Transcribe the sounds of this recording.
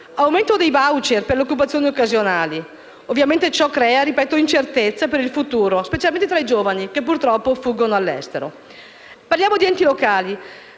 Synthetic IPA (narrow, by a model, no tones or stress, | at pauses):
awment̪od̪ejbawt͡ʃerperleokːup̬at̪sjoːniokːazjonaːli | ovːjament̪et͡ʃɔkːɾɛːaɾipɛːt̪oint͡ʃert̪et̪sːapeɾilfut̪uːɾospet͡ʃalment̪et̪ɾaid͡ʒoːvanikepːurt̪ɾɔpːofuɡːonoalːɛ̰st̪eɾo | parljaːmod̪iɛnt̪ilokaːli